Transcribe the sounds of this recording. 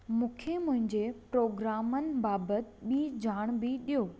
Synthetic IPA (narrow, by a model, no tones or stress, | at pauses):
mũːkʰemʊ̃ɦɪ̃ɲd͡ʑepɾoːɡɾaːmənɪ̆baːbət̪ɓiːd͡ʑʱaːɽ̃bɪɗijoː